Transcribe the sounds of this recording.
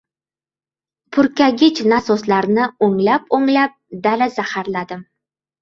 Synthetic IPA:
pʰʊɾkʲaɡʲɪt͡ʃnasoslaɾnɪoŋlapoŋlap̚d̪alazahaɾlad̪ɪm

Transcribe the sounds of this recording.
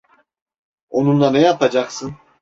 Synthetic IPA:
onunlˠanɛjapad͡ʒaqsɯn

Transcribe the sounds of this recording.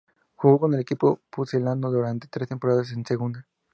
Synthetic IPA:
xuɣo̞ko̞nelekipo̞puseland̪oðuɾant̪e̞̥t̪ɾe̞st̪e̞mpo̞ɾaðas̬ense̞ɣund̪a

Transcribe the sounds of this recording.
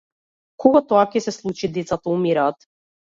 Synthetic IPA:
kʰɔɡat̪ɔakɛsɛslˠut͡ʃid̪ɛt̪sat̪aumiɾaːt̪

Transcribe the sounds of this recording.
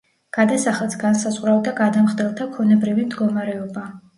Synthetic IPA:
ɡ̥ad̪asaχɛlˠt̪sɡansazʼʁʼɾavd̪aɡad̪amχd̪ɛlˠt̪ʰakʰɔnɛbɾivimd̪ɡɔmaɾɛɔba

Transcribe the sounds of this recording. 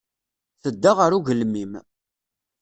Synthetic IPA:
θəd̪ːəʁəɾuʝəlmim

